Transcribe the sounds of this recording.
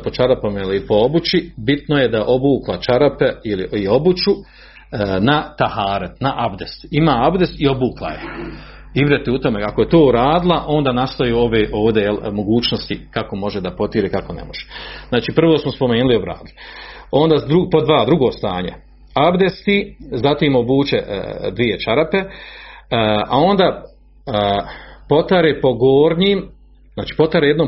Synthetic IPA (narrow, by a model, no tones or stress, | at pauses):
pot͡ʃad̪apomeliipoobut͡ɕibit̪nojed̪aʔo̞buːklat͡ʃaɾapeiliio̞but͡ʃu | nat̪ahaːɾat̪naʔabd̪est̪imaːabd̪est̪io̞buːklˠa̰jḛ | ivɾet̪iut̪o̞me̞ako̞je̞t̪oːuɾaːd̪ilˠaʔo̞ːnd̪aːnast̪ajuːoʋeːʔo̞ːʋd̪e̞jelmo̞ɡuːt͡ɕnost̪ikako̞mo̞ʒed̪apo̞t̪jiːɾekako̞nḛmoʒ̥e̥znaːt͡ʃiːpr̩ʋoːsmospo̞meːnulio̞bɾa̰ːd̪ilio̞nd̪aːd̪ɾupod̪ʋaːd̪ɾuɡo̞ːst̪aːɲe̞̰ | abd̪est̪iːzat̪iːmobuːt͡ɕed̪ʋije̞t͡ʃaɾape̞ | a̰o̞nd̪aː | po̞t̪aɾepo̞ɡoːɾɲiːm | zaːt͡ʃi̥ːpo̞t̪aɾejd̪noːm